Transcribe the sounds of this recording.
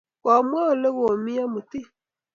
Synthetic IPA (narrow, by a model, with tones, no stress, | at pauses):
wa˨mwa˦˨le˦ɣo˨mi˦a˦mu˨ti˦